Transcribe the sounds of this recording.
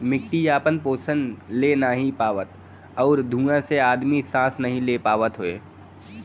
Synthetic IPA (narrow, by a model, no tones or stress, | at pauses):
mɪkʈijaːpənpoːsənlenaɦĩpaːʋət̪ | ɔːɾd̪ʱũːãseaːd̪misãːsnɐɦĩlepaːʋət̪ɦʊḛː